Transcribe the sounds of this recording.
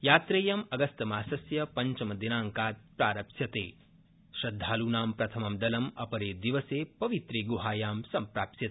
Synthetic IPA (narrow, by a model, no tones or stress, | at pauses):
jaːt̪ɾeːjɐmɐɡɐst̪ɐmaːsɐsjɐpɐɲt͡ʃɐmɐd̪inaːŋkaːt̪̚pɾaːɾɐpsjɐt̪ḛː | ʃɾɐd̪ʱːaːluːnaːmpɾɐt̪ʰɐmɐmd̪ɐlɐmɐpɐɾeːd̪iʋɐseːpɐʋit̪ɾeːɡuɦaːjaːmsɐmpɾaːpt̪jɐt̪ː